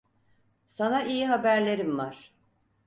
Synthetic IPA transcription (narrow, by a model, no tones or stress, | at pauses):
sanaʔijiɦabæɾlʲe̞ɾimvaɾ̥